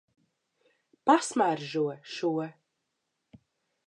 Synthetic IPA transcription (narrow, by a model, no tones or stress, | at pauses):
pasmæɾʒuɔʃuɔ